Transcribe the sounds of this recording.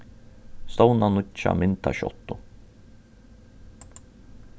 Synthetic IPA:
st̪ownanʊtːa̰mɪnt̪a̰ɕɔ̰t̪ːʊ

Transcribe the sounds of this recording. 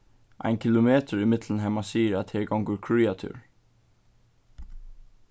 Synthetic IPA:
ʔa̰ɪnkʰɪlʊmeːt̪əɹimɪt̪lənɦɛmasiːəɹæt̪hɛɹɡawŋkəɹkʰɹiːat̪ʰʏ̰ɹ

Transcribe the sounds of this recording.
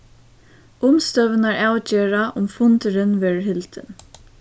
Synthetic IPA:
ʊmst̪œʋɪnaɹaːwt͡ʃeːɹaʔʊmfʊnt̪ɪɾɪnʋɛːɹɦɪlt̪ɪ̰n

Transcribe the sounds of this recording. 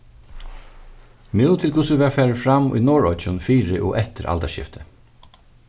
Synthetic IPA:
mɪwt̪ʰɪlkʰʊsʊʋæːfæːɹəfɾamṵjnɔːɹɔʏt͡ʃʊnfiːɹɪʔɔ̰ʔɛt̪əɾʔa̰lt̪æʂɕɪ̰ft̪ʰə̥

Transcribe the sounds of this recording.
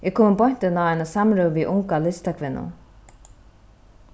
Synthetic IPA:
ʔɛkʰoːmɪbɔjn̥t̪ɪnaajnasamɾœwviʔʊŋkalɪst̪akʰvɪnːʊ̰n

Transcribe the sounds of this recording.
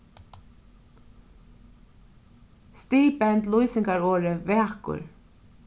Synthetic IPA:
st̪iːpɛnt̪lujsɪŋkaɹoːɾɪvɛːkʊ̰ɹ

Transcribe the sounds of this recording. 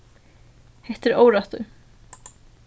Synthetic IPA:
hɛht̪ɪɾoːwɾaht̪ʏ̰

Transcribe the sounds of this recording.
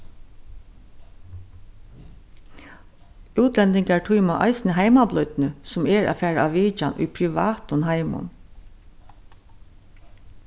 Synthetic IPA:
ʉːt̪lɛnt̪ɪŋkaɹʈʰujmaʔɑ̰ɪsnəɦaɪmablœʏt̪nəsʊmɛɹa̰ːfæːɹaaʋiːt͡ʃanʔʊ̰jpʰɾɪʋa̰ːt̪ʊnɦaɪmʊ̰n

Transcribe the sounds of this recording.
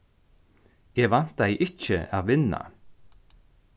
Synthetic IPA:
jɛɣvan̥t̪aɛʔɪhcɪaðvɪnːa̰

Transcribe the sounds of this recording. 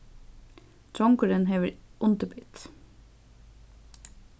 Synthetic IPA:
t̪ʰɾɔŋkʊɾənheːʋəɾʔʊnt̪əbʏt̪

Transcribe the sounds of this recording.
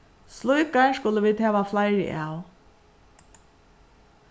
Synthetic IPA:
slʊjkaskʊləʋiːd̪hɛːʋaflajɾɪ̰ʔaːw

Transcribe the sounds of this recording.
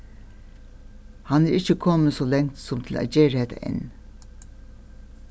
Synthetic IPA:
hɑnæːɾɪçəkʰɔməsoːlɛŋt̪sɔmt̪ʰɪlæ̰d͡ʒeːɾeːt̪ə̰ɛ̰n

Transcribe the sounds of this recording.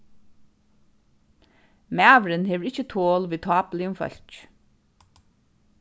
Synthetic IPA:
mæːʋɹənheːʋəɹɪt͡ʃːət̪ʰoːlʋiːt̪ʰɑːplɪʊmfœ̰l̥c

